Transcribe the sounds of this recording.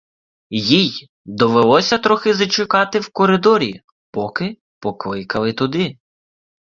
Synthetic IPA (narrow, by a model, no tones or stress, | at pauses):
jij | d̪ɔʋelˠɔsʲɐt̪ɾɔxɪzɐt͡ʃʊkɑt̪ɪwkɔɾɪd̪ɔɾʲḭ | pɔkɪ | pɔklˠɪkɐlˠɪt̪ʊd̪ɪ